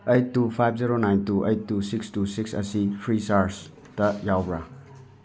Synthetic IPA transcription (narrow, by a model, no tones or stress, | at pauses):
ejtːupʰajb̚ʰziɾonajntuʔejtːusikstusiksɐ̰sipʰɾisaɾs | tɐjawbɾɐ̰